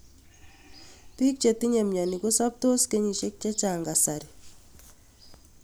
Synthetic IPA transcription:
pi˦k̚t͡ʃe˨ti˦ɲe˨mɲa˨ni˨ko˦sa˦p̚to˦ske˦ɲi˨ʃe˦k̚t͡ʃa˦t͡ʃa˨ŋɡa˨sa˨ɾi˨

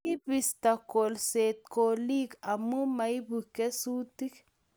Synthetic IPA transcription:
i˦bi˨st̪a˨kolset̪̚koli˦ka˨mu˦ma˨jbuke˦su˦t̪i˦k

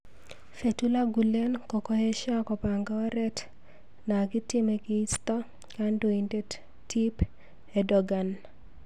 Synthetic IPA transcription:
fe˨tu˦la˦ɡu˨le˦nkɔ˨kɔ˦je˦ʃa˦kɔ˨pa˨ŋɡa˦ɔ˦ɾɛ˦t | na˨ɡɪ˦tɪ˦meɡɪi˦st̪ɔ˦ | kando˨inde˦t | ti˦p | ɛdɔɡa˨n

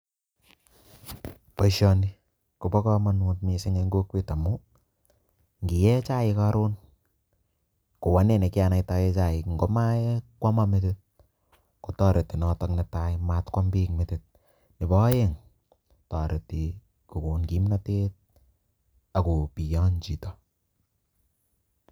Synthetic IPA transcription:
pɔ˨ʃɔ˧ni˦ | ko˨bɔ˦kɔ˦manu˨t̚mi˨sɪ˦ŋe˧ŋɡo˦kwe˦ta˨mʊ˦ | ŋɡi˨jɛ˦t͡ʃa˦ɪ˧ka˦ɾo˦n | ko˨wa˨˦ne˨ne˨kɪ˦a˨na˨ita˦jɛ˦t͡ʃa˨ɪ˨ŋɡo˦ma˦ɛkwa˦ma˦me˦tɪ˦t̚ | ko˨tɔ˦ɾe˨tːi˨nɔ˨tɔ˦knɛ˨ta˦ɪmatkwa˦mbi˦kmɪtɪt̚ | nɪ˨bɔ˦je˦ŋ | tɔ˨ɾe˨ti˨ | ku˨ku˨nki˦mna˦tet̚ | a˨ko˨pi˨jɔ˦nt͡ʃi˨tɔ

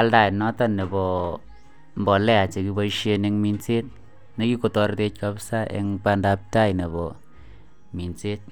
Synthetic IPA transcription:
a˦lda˨nɔ˦tɔ˦ne˨bɔ˨ | mbɔ˨lɛ˦a˨t͡ʃe˨ki˨bɔ˦ʃe˦ne˦ŋmi˨nt͡se˦t̚ | ne˨˦ki˦ko˨tɔ˨ɾte˦t͡ʃ̚ka˦psa˦ʔḛ˨˦ŋpa˦nda˨p̚ta˦jne˨bɔ˨ | mi˨nt͡se˦t̚

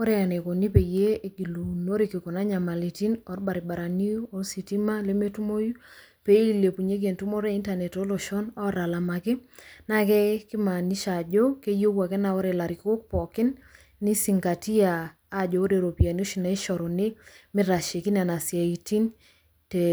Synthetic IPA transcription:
o˦ɾɛ˦a˨ne˨ko˨ni˦pe˨je˦e˨ɡi˨lu˨no˦ɾe˨ki˨ko˨na˦ɲa˨ma˨li˨ti˦nɔ˨rba˨ɾi˨ba˨ɾa˨ni˦ɔ˦rsi˨ti˦ma˦le˦me˦tu˦mo˦ju˦ | pe˦i˦le˨pu˨ɲe˦ɡe˨ntu˦mɔ˦ɾe˦i˦nta˨nɛ˨tɔ˦lɔ˨ʃɔ˦nɔ˦ɾa˨la˨ma˨kɪ˦na˦kɛ˦kɪ˦ma˨ni˦ʃa˨d͡ʒɔ˦ke˦jo˦kwa˨kɛ˦na˨o˦ɾe˨la˨ɾi˨ko˦k̚pɔ˨kɪ˦nː | ɪ˦si˨ŋɡa˨ti˦aː˨˦ | d͡ʒɔ˨o˦ɾe˨ɾo˨pi˨a˨n˦o˦ʃi˨na˨i˦ʃɔ˨ɾɔ˨nɪ˦mɪ˦ɾa˨ʃe˨ki˦n˦a˨na˨sja˨i˨ti˦n | te˨

